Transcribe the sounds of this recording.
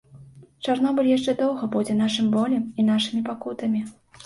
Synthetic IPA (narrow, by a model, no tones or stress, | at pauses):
t͡ʂarnɔbɨlʲjaʂt͡ʂɛd̪ɔwɣɐbud͡zʲɛn̪aʂɨmbɔlʲɛmin̪aʂɨmʲipakut̪ɐmʲi